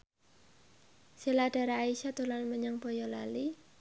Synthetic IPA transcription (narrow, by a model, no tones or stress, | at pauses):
silaɖ̥a̤ɾaːiʃat̪ulanməɲaŋb̥ɔjɔlali